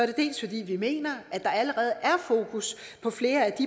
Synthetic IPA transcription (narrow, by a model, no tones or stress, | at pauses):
æɐɾe̝d̥e̝̰ːlsfɒ̽d̥ḭːʋime̝̰ːnɐʔæd̥ɑ̈æləʁɛːð̩ˠʔæɐfo̝̰ːkʰus | pʰɒ̽fle̝ːɐæd̥i